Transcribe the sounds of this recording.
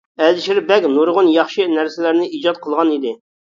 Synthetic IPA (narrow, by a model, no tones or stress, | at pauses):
ɛld̪ʃɪɾbɛkʲnuɾʁʊnjɑχʃɨnæɾsɪlæɾnɪid͡ʒɑt̪̚qʰəlˠʁɑnid̪ɪ